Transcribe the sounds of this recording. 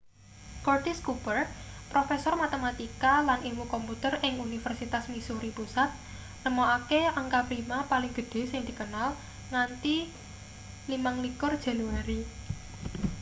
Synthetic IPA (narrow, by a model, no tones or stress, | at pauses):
kɔrt̪iskubərt̪̚pɾofesɔrmat̪emat̪ikalanimukɔmput̪ərɪŋunifərsit̪asmisuɾipusat̪̚ | nəmoakeaŋkapɾimapalɪŋɡ̥ə̤ɖ̪̥e̤sɪŋd̪̥i̤kənal | ŋant̪i | limaŋlikʊrd̥ʒ̥a̤luwaɾi